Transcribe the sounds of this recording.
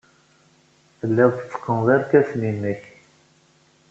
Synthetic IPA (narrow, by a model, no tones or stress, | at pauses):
θəlːɪðˤt͡sːə̥qːənðˤiɾkæsninːəç